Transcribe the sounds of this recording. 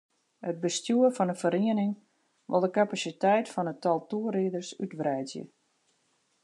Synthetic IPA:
həd̚bəstjuərfɔnəfəɾiənɪŋ | ʋɪ̰lˠdəkapasitɛjtfɔnətɔlˠtuəɾiədərsytʋrɛjzjə̰

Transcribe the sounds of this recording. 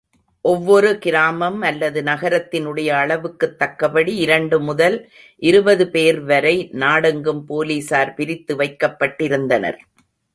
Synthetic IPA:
ʔɔʋːɔɾɯkɪɾaːmɐmɐlːɐðɯnɐɣɐɾɐt̪ːɪnɯɽɐjɐːɭɐʋɯkːɯt̪ːɐkːɐpɐɽiɪɾɐɳɖɯmʊðɐl | ʔɪɾɯbɐðɯpeːɾʋɐɾɐɪnaːɽɐŋɡɯmpoːliːsaːɾpɪɾɪt̪ːɯʋɐɪkːɐpːɐʈːɪɾɯnd̪ɐnɐ̰ɾ

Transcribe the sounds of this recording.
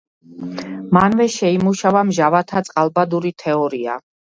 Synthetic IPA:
manvɛʃɛimuʃavamʒavat̪ʰat̪sʼqʼalˠbad̪uɾit̪ʰɛɔɾia̰

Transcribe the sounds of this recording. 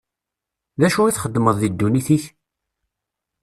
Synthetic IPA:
ðæʃuiθχəd̪ːməðˤðid̪ːuniθiç

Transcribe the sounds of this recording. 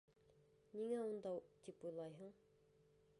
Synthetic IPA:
niŋæund̪ɑt̪ipujlˠɑjɦɤɴ

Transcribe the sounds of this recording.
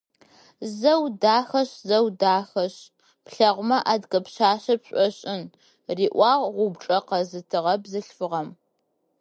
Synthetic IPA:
zɐwdaːxɐɕzɐwdaːxɐɕ | pɬɐʁʷʊmɐʔaːdɡɐpɕaːɕɐpɕʷʼɔɕʼɪn | riːʔʷɑːʁʁʷʊbʈ͡ʂʼɐqɐzɨtʰɨʁɐbzɨɬfɨʁɐm

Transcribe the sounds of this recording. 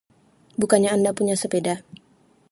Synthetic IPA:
bukaɲaːndapuɲasəpeda

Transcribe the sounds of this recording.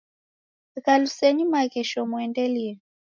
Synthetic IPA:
kalusɛɲimakɛʃɔmwɛndɛliɛ

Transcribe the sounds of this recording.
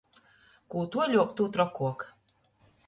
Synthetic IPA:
kuːt̪uɔlʲuɔkt̪uːt̪ɾɔkːuɔk

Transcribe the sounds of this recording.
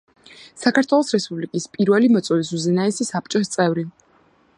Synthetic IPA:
sakʰaɾt̪ʰwɛlˠɔsɾɛspʼublikʼispʼiɾvɛlimɔt̪sʼwɔvis̬uzɛnaɛsisap̚t͡ʃʼɔst̪sʼɛvɾi

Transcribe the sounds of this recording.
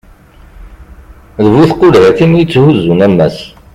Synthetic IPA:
ðəvuθqʊlhæθimjət͡sːhuzːunæmːæs

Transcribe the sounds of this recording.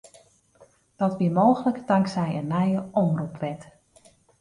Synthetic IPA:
d̥ɔtʋiəmoːɣələkdaŋksɛjənːɛjəɔmrupʋɛt

